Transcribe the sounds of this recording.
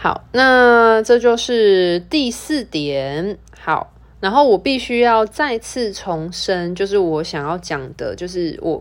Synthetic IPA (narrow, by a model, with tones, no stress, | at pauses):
hɑ̰˨˩˦ʊna˥˧ʈ͡ʂɤ˥˧t͡ɕjo˥˧ʊʂɻ̩˥˩t̪i˥˧s̩˥˨t̪jɛ˨˦n | xɑ˨˩˦ʊ | na˧˥nxo˥˩ʊwɔ˨˩pi˥˨˩ɕy˥jɑ˥˧ʊt͡sa˥˧ɪt͡s̩ʰ˥˩ʈ͡ʂʰo˧˦ŋʂə˦nt͡ɕjo˥˧ʊʂɻ̩˥˩wɔ˨˦ɕjɑ˨˩ŋjɑ˥˩ʊt͡ɕjɑ˨˩ŋd̪̥ə̰˦t͡ɕjo˥˧ʊʂɻ̩˥˩wʔɔ̰˨˩